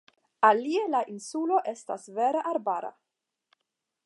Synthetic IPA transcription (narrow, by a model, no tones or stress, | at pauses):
alielaʔinsulo̞ʔe̞sta̰sve̞ɾeʔaɾbaɾa̰